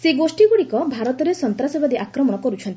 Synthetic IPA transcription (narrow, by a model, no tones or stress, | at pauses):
seɡosʈiɡuɽikɔbʱaɾɔt̪ɔɾesɔnt̪ɾasɔbad̪iʔakɾɔmɔɽ̃ɔkɔɾut͡ʃʰɔnt̪i